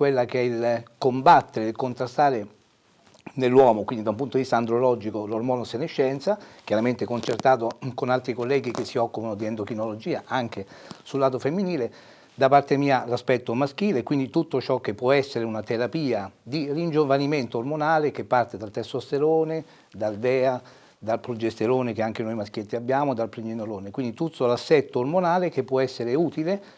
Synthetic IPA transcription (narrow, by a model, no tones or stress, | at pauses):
kwelːakeɛilkombat̪ːeɾeilkont̪ɾast̪aːɾe | nelːwɔːmokwind̪id̪aũmpunt̪od̪ivist̪aːnd̪ɾolɔd͡ʒikolormɔːnoseneʃːɛnt̪sak̟jaɾament̪ɛkont͡ʃert̪aːt̪okonalt̪ɾikolːɛːɡik̟esːiɔkːupanod̪iɛnd̪okinolod͡ʒiːaʔaŋk̟esulːaːt̪̬ofemːiniːle | d̪apːart̪emiːalaspɛt̪ːomaskiːleːkːwind̪it̪ut̪ːot͡ʃɔk̟ːepːwɔɛsːeɾeunat̪eɾapiːad̪irind͡ʒovaniment̪oːrmonaːlekepːart̪ed̪alt̪ɛsost̪eɾoːne | d̪ald̪ɛːa | d̪alpɾud͡ʒest̪eɾoːnekeaŋk̟enojmask̟jet̪ːeabːjaːmod̪alpɾiɲːenoɾoːnekwind̪it̪ut̪ːolasːɛt̪ːoːrmonaːlek̟epːwɔɛsːeɾeuːt̪ile